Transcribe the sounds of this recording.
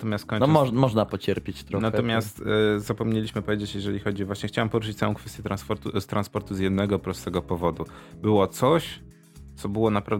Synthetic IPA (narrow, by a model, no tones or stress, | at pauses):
t̪ɔmʲjast̪kɔj̃nɔmɔmɔʐnapɔt͡ɕɛɾpʲjet͡ɕt̪ɾɔnat̪ɔmʲjast̪zapɔmɲelʲiɕmɘpɔvjed͡ʑet͡ɕjɛʐɛlʲixɔd͡ʑivwaɕɲɛxt͡ɕawampɔɾuʂ̬ɘt͡ɕt̪awɔ̃w̃kfɛst̪jɛt̪ɾanspɔɾt̪ust̪ɾʔanspɔɾt̪uzjɛd̪nɛɡɔpɾɔst̪ɛɡɔpɔvɔd̪u | bɘwɔt̪sɔɕ | t̪sɔbɘwɔnapɾav